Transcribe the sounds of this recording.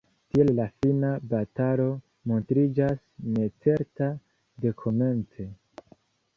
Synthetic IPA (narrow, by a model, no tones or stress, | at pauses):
tiellafinabatalo̞ | mo̞ntɾid͡ʒasne̞t͡se̞ɾta | de̞kʰo̞me̞nt͡se̞